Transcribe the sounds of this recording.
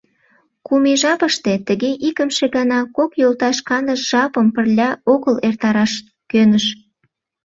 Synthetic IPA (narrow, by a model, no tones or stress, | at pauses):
kumeʒɑpəʃt̪e̽t̪əɣeʔikəmʃeɣɑnɑkokjolt̪ɑʃkɑnəʃʒ̥ɑpəmpərlʲɑoɣəlert̪ɑɾɑʃ | kønəʃ